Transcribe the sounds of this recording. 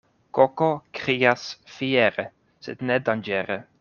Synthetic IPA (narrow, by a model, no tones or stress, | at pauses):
kokokɾiːasfiɛɾe | sɛd̪nɛd̪and͡ʒɛːɾe